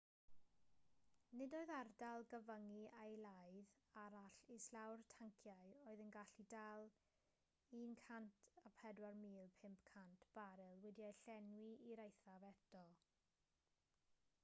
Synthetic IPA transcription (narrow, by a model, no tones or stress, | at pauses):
nɪdoːɨðardalˠɡəvəŋiajlajð | aɾaɬeslawrtʰaŋkʰjaɨoːɨðənɡaɬidalˠ | iːnkʰantʰapʰɛdwarmiːlˠpʰɪmpkʰantʰb̥aɾɛlˠwɪdjajɬɛnwiiɾajθavɛtʰɔ